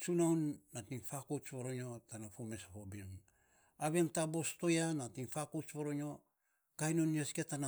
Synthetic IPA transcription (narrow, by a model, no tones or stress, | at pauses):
t͡ʃunawnːatiŋfakot͡ʃβoɾoɲo̞tanafome̞shobiŋ | aβeŋtabo̞sto̞janatiŋfakot͡ʃβoɾoɲo̞ | kajnoniosketana